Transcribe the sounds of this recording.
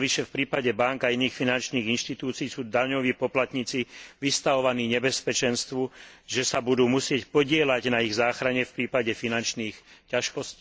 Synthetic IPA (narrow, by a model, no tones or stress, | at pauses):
ʋiʃɛfpɾiːpaɟɛbaŋkainiːxfinant͡ʃniːɣinʃt̪it̪uːt͡siːsuːd̪aɲɔʋiːpɔplat̪ɲiːt͡siʋist̪aʋɔʋaniːɲɛbɛspɛt͡ʃɛnst̪ʋuʒɛsabud̪uːmusɪɛcpɔɟɪɛlaɟnaiɣzaːxɾaɲɛfpɾiːpaɟɛfinant͡ʃniːxcaʃkɔsciː